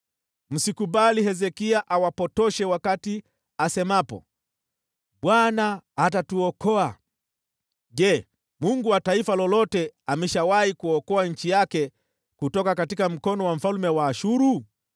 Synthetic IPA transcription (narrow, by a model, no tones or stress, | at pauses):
m̩sikuɓaliɦɛzɛkiaʔawapɔtɔʃɛwakati | asɛmapɔ̰ | ɓwanahatatuɔkɔa | ʄɛ | muŋɡuwataifalɔlɔtɛamɛʃawaikuɔkɔaɲ̩t͡ʃijakɛ | kutɔkakatikam̩kɔnɔwam̩falumɛwaːʃuɾu